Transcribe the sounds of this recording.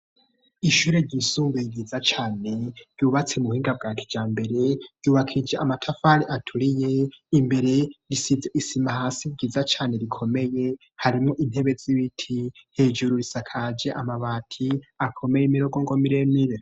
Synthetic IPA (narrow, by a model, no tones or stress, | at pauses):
iʃuːɾeɾɟiːsuːmbeiɡiːzat͡ʃaːne̞ɾ̥juːβat͡semuhiːŋɡab̚ɡaːtʰid͡ʒaːmbe̞ɾe̞ɾ̥ɟuːβakʰid͡ʒeʔamatʰafaɾiʔatʰuɾije̞imbe̞ɾe̞ɾisizeʔisimahasiɟizat͡ʃaːne̞ɾikʰo̞me̞je | haɾimŋoʔin̥he̞βe̞ziβitʰihe̞d͡ʒuɾuɾisakʰad͡ʒe̞ʔamaβaːtʰiakʰo̞me̞jemiɾo̞ɡo̞ŋɡomiɾemiɾe